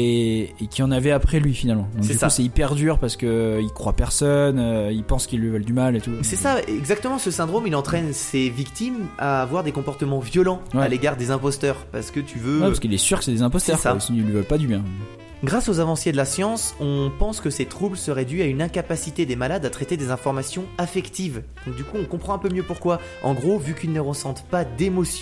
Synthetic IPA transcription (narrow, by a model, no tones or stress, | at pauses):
eːkʲiɑ̃navɛapχɛlɥifinalmɑ̃d̪ɔ̃ksɛysusɛipɛʁd̪yʁpaʁsə̥kəilkχwapɛʁsɔnøilpɑ̃skilːivœld̪ymalet̪usɛsaɛ̰ɡzak̚t̪əmɑ̃səsɛ̃d̪ʁomilɑ̃t̪χɛnsevikt̪imavwaʁd̪ekɔ̃pɔʁt̪əmɑ̃vjɔlɑ̃wɛaleɡaʁd̪ezɛ̃pɔst̪œːʁpaʁsə̥kət̪ʰyvøɛpaskilɛsyʁkə̥sɛd̪ezɛ̃pɔstsɛʁsasinəlɥivɔlpad̪ybjɛ̃ | ɡʁasozavɑ̃sjed̪əlasjɑ̃sɔ̃pɑ̃skəset̪χublsəʁɛd̪yaynɛ̃kapasit̪ed̪emalad̪at̪χɛt̪ed̪ezɛ̃fɔʁmasjɔ̃afɛkt̪ivd̪̥ɔ̃k̚d̪ykuɔ̃kɔ̃pχɑ̃ɛ̃pømjøpuʁkwa | ɑ̰̃ɡʁovykilnəʁəsɑ̃t̪pad̪emɔsj